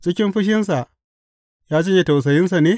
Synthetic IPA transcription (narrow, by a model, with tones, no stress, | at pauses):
t͡ʃɪ˦kʲɪ˦mɸɪ˦ʃ̬ɪ˦ns̬a˨ʔ | jaː˦d͡ʒɪ˦je˨ta˨ws̬ɐ˨jɪ˦ns̬a˨neː˦